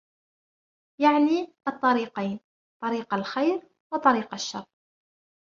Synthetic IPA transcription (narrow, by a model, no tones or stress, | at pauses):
jaʕniʔɑt̪ˤːɑɾiːqajn | t̪ˤɑɾiːqalxajɾ | wɑt̪ˤɑɾiːqaʃːɑ̰rˤː